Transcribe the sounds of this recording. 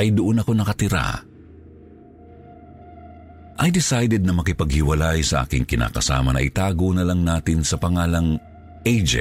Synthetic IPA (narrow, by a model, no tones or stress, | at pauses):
ɐjd̪ʊʔonɐko̞nɐkɐt̪ɪɾa̰ | ʔɐjd̪ɪsajd̪ɛd̪nɐmɐkɪpɐɡ̚hɪwɐlajsɐʔa̰ːkɪŋkɪnʔa̰ːkɐsa̰ːmɐnɐ̰ʔɪt̪aːɡonɐlaŋnaːt̪ɪnsɐpɐŋaːlɐŋ | ʔɛjd͡ʒɛ̰